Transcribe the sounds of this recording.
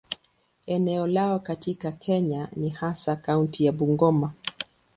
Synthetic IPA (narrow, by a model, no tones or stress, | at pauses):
ɛnɛɔlaɔkatikakʰɛɲanihasakauntijaɓuŋɡɔma